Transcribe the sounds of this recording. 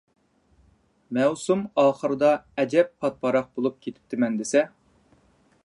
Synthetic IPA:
mɛwsumɑːχəɾɨd̪ɑɛd͡ʒɛppʰːɑt̪̚pʰɑɾɑq̚bolˠup̚kʲʰet̪ʰɪ̥p̚t̪ʰɪmɛnd̪ɪsɛ

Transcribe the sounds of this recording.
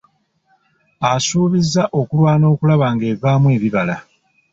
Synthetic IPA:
asuːβizːaʔo̞kulwaːno̞ːkulaβaŋɡe̞ːvaːmwe̞ːβiβala

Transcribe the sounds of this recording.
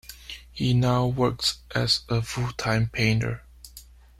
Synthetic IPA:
hinaʊwɜ˞ksʔɨzəfutʰãɪ̃mpʰẽɪ̃ntə̰˞

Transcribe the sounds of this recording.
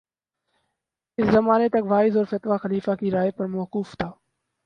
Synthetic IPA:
ɪszəmaːneːt̪əkʋaːɪzɔːɾfət̪ʋaːxəliːfaːkiːɾaːeːpəɾmoːkuːft̪ʰaː

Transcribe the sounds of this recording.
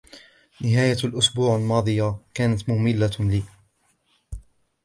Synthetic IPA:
nɪɦaːjalʔʊsbuːʕalmɑːd̪ˤɨjakaːnat̪mʊmɪlːaliː

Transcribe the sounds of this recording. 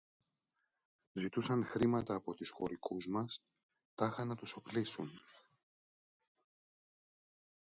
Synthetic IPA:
zit̪usɐnxɾimɐt̪ɐːpo̞t̪usxo̞̰ɾikuzmɐs | t̪ɐxɐnɐt̪usoplisun

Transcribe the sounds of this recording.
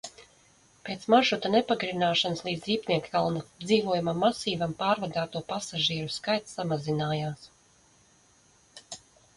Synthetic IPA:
peːt̪smaʒut̪anepaɡɾinaːʃanslˠiːd̪zʲɾiːpniɛkkalˠnad̪ziːvuɔjumamːasiːvampaːɾvad̪aːt̪uɔpasaʒiɛɾuskajt̪ssamazinaːjaːs

